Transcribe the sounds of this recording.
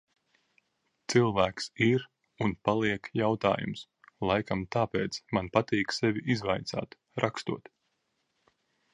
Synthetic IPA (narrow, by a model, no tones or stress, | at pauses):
t̪silˠvæːksiɾ | unpalˠiɛkjawt̪a̰ːjṵms | lˠajkamt̪aːpeːt̪smanpat̪iːksɛvʲiʔizvajt̪sa̰ːt̪ | ɾʔakst̪ṵɔt̪